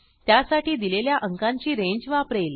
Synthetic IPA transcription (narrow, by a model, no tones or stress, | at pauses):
t̪jasaʈiːd̪ileljaʔəŋkãɲt͡ɕiːɾẽɲd͡ʑʋaəpɾel